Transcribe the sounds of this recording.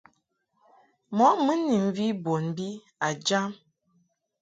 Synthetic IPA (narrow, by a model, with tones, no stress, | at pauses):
mɔ˨˦mə˦ni˨m˨vi˦bo˨nbi˦ | a˨d͡ʒa˦m